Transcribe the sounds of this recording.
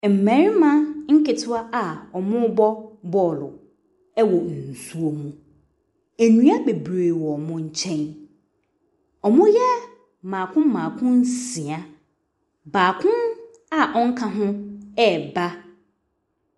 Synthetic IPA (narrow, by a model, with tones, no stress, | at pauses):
m̩˨mɛ̃˨˦ɾɪ˦mã˦ŋ̩˦kɪ˨tʰʊ˦a˦ʔa˨ɔ˨mʊ̃˦bɔ˦bɔː˨lʊ̰˨ | ɛ˦wɔ˨n̩˨su˦o˨mũ˦ | æ˨nũ˦a˦be˨bɾe˨wɔ˨mʊ̃˦ɲ̩˦t͡ɕʰɛ̃˦n | ɔ˨mʊ̃˦jɛ˦˨ | mã˨kʰʊ̃˦m˦mãː˨kʰʊ̃˦n˦si˨a˦ | baː˨kʰʊ̃˦n | a˨ʔɔ˦ŋ̩˦kʰã˨ɦʊ̃˦ɛ˦˨ba˦